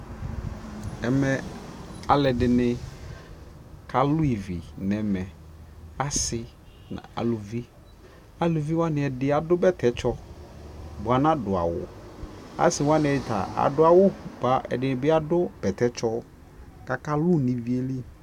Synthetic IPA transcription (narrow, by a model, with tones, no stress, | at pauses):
ɛ˨mɛ˨a˨lɛ˨dɪ˨nɪ˨ | kʰa˨lʊ˦i˨vi˨nɛ˨mɛ˨ | a˦sɪ˨ | nã̰˨a̰˨lʊ˨vi˦ | a˨lʊ˨vi˦wa˦nɪ˨ɛ˨dɪ˦a˨dʊ˦bɛ˦tʰɛ˨t͡ʃɔ˦ | bʊ˨a˨nã˦dʊ˨a̰˨wʊ̰˨a̰˦sɪ˨wã˦nɪ̃˨ɛ˨ɪ˨ta̰˨a̰˨dʊ˦a˨wʊ˦ba˦ɛ̰˨dɪ˨nɪ˨bɪ˦a˦dʊ˦b̥ɛ˨t̪ɛ˦t͡ʃɔ˦ | ka˨ka˦lʊ˦˨nĩ˨vi˦e˦li˦